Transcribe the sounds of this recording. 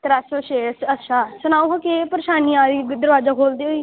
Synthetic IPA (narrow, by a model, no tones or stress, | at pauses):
t̪əɾasoːʃeːsət̪ʃaːsənaːʋɦokeːpəɾeʃaːnijãːid̪əɾʋaːzaːkʰoːld̪eːɦoːiː